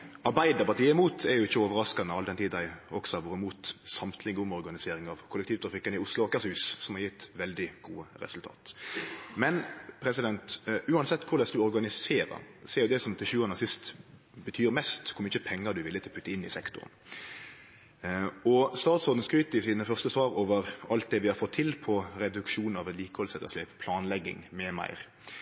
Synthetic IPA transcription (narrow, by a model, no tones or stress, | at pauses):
ɑɾbæɪd̪ɑpɑt̪iːɪmuːt̪ʰɛɾjʊɪçːəoːʋəɾɑskɑnəɑld̪ɛnt̪iːd̪æɪɔ̰ksɔɑʋʊʁɪmuːt̪sɑmt̪ʰlɪɡʊmɔʁɡɑnɪseːɾɪŋɑʋkʰʊləkt̪iːʋt̪ʰɾɑfɪkːənɪʊslʊɑkɑshʉːssɔmhɑɾjɪt̪ːʋɛld̪ɪɡ̥uːəɾɛ̰sʉlt̪ʰɑ̰ːt̪mɛnpʰɾɛsɪd̪ɛnt̪ʉːɑnsɛt̪ːkʰʊɾlɛsd̪ʉɔɾɡɑnɪseːɾɑ̰ | seːɾjʊd̪ɛsɔmt̪ʰɪlʃʉːɑnəsɪst̪ | bət̪ʰyːɾmɛst̪kʰʊmɪçəpʰɛŋːəd̪ʉʋɪlːət̪ʰɪlɔpʰʉt̪ːəɪnːɪsɛkt̪ʊ̰ʁn̩ | ɔst̪ɑːt̪sɔɾd̪n̩skɾyːt̪əɪsiːnəfœʁst̪əsʋɑːɾoːʋəɾɑlt̪̚d̪ɛʋɪhɑɾfɔt̪ʰːɪlpʰɔɾɛd̪ʉkʃuːnnɑʋɛnliːkəhɔlsɛt̪ːə̰slɛːppʰlɑːnlɛɡːɪ̰ŋmɛmæ̰ɪʁ